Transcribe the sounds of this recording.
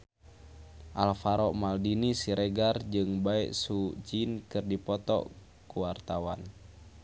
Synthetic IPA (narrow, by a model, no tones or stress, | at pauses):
ʔalfaɾɔʔmaldinisiɾeɡard͡ʒɨŋbaɛʔsud͡ʒinkɨrdipɔt̪ɔ̰ | kuwart̪awan